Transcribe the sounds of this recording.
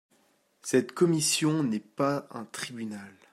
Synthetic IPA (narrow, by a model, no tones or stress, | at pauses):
sɛt̪kɔmisjɔ̃nɛpaɛ̰̃t̪χibynal